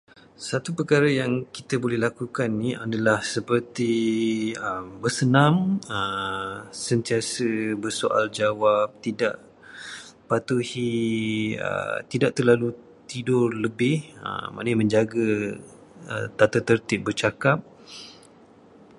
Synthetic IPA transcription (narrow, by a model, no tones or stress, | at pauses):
sat̪upəkaɾəjaŋkit̪əbolɛhlakukanːiadalahsəpərt̪i | əmbərsənãmə | sənt̪iasəbərsoʔa̰ld͡ʒawap̚t̪ida̰ʔ | pat̪uhi | ə̰t̪idaʔt̪ərlalu | t̪idʊrləbɪhə̰mã̰nəmə̃ɲd͡ʒaɡa | ə̰t̪at̪ət̪ərt̪ɪp̚bərt͡ʃakap̚